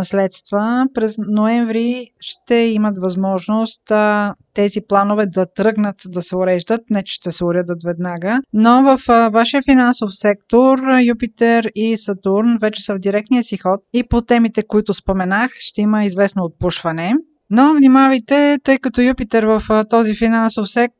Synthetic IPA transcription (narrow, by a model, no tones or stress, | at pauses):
ɐslɛt̪st̪vəpɾɛznoɛɱvɾiʃt̪ɛimət̪vɐzmɔʒnost̪ː | ɛziplˠanovɛd̪ɐt̪ɾɤɡnət̪d̪ɐsɛʊɾɛʒd̪ət̪nɛt͡ʃɛ̥ʃt̪ɛsɛʊɾəd̪ət̪vɛd̪naɡənovəfvaʃiəfinansofsɛk̚t̪oɾjupit̪ɛɾisɐt̪uɾnvɛt͡ʃɛ̥səvd̪iɾɛk̚t̪nijəsixɔt̪̚ipot̪ɛmit̪ɛkoit̪ʊspomɛnaxʃt̪ɛiməizvɛsnoːt̪̚puʃvɐnɛ | novnimavəjt̪ɛt̪ɤjkɐt̪ɔjupit̪ɛɾvəft̪ɔzifinansofsɛk̚t̪